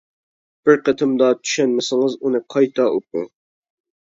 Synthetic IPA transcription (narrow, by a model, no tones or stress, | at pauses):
b̥ɪɾqʰət̪ʰɪmd̪ɑt̪ʰy̥ʃɛnmɪsɪŋɨzunɨqʰɑjt̪ʰɑʔup̚ṵ